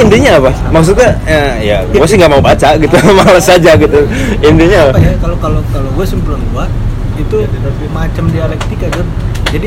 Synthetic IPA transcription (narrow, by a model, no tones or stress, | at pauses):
indiɲaːpa | maks̬ut̪̚ɲaa | ija̰ɡuasɪŋɡaʔmaubat͡ʃaɡit̪umalasad͡ʒaɡit̪uindiɲajakalokalokaloɡuasɪmbulaŋɡua | it̪ut̪ət̪apimat͡ʃamdialɛk̚t̪ikadʊrd͡ʒadi